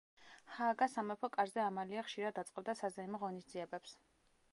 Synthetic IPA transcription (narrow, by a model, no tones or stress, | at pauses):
haːɡasamɛpʰɔkʼaɾzɛamaliaχʃiɾad̪ːat̪sʼqʼɛb̚d̪asazaimɔʁɔnisd̪ziɛbɛps